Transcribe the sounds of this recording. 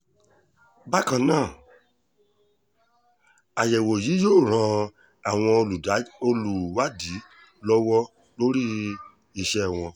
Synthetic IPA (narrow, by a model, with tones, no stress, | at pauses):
ba˦kã˧˨nãː˦˨ | a˨jɛ˨wo˨ji˨˦joː˦˨ɾ̃ã˧ | a˨w̃ɔ̃˧o˧lu˨da˨˦o˧lu˨wa˦di˨˦ | lɔ˦wɔ˦ | lo˦ɾi˦ | i˧ʃɛ˧˨w̃ɔ̃˧